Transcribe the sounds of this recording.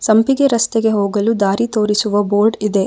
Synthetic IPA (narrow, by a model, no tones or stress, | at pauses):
sɐmpiɡe̞ɾɐst̪eɡe̞ɦoːɡɐlud̪aːɾit̪o̞ːɾisuʋɐboːɾɖid̪e̞